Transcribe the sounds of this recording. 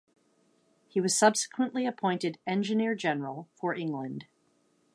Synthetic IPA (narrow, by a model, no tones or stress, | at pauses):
hiwʌz̥sʌb̥sə̥kʰwə̃nʔliɨpʰɔ̃ɪ̃ntɨɾɛ̃nd͡ʒɨnɪɹd͡ʒɛnə˞l̩ˠfə˞ʔɪ̃ŋɡlə̃nd̥